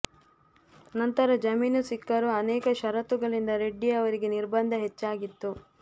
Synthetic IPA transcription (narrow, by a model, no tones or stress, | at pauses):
nɐnt̪ɐɾɐd͡ʒɐmiːnusikːɐɾuɐnɛːkɐʃɐɾɐt̪uɡɐɭind̪ɐɾeɖːijɐʋɐɾiɡe̞niɾbɐnd̪ʱɐɦet͡ʃːaːɡit̪ːu